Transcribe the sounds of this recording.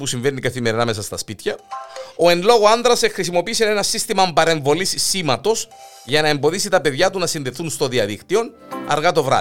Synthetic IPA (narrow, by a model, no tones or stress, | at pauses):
pusiɱvenːikɐθime̞ɾinɐme̞sɐst̪ɐspit̪çɐo̞e̞nlo̞ɣoɐnðɾɐsexɾisimo̞piːsene̞nɐsist̪imɐmbɐɾe̞ɱvo̞lissːimɐt̪o̞s | ʝɐnɐe̞mbo̞ðisit̪ɐpe̞ðʝɐt̪unɐsinðe̞θunst̪o̞ðiɐðikt̪io̞n | ɐ̰ɾɣɐt̪o̞vɾɐ̰